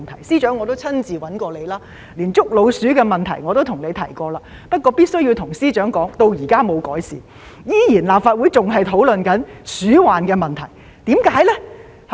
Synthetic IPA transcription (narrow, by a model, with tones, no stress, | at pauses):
nt̪ʰɐ˨˩jsiː˥t͡ʃœː˨˥ŋːɔː˨˧t̪o˥wt͡sʰɐ˥nt͡siː˨wɐ˨˥nkɔː˧le˨˧jlaː˥ | liː˨˩nt͡sʊ˥k̚lo˨˧wsyː˨˥kɛː˧mɐ˨˩nt̪ʰɐ˨˩jŋɔ˨˧t̪o˥wt̪ʰʊ˨˩ŋle˨˧jt̪ʰɐ˨˩jkɔː˧laː˧ | pɐ˥t̚kʷɔː˧piː˥t̚sɵ˥jiː˧wt̪ʰʊ˨˩ŋsiː˥t͡ʃœː˨˥ŋkɔː˨˥ŋt̪o˧wjiː˨˩kaː˥mo˨˧wkɔː˨˥jsḭː˨ | jiː˧˥jiː˨˩nlaː˨p̚faː˧t̚wuː˨˥jt͡sʊ˨ŋɦɐ˨jt̪ʰo˨˥wlɵ˨nkɐ˨˥nsyː˨˥waː˨˩nkɛː˧mɐ˨nt̪ʰɐ˨˩j | t̪iː˨˥mkaː˨˥jlɛ˥ | h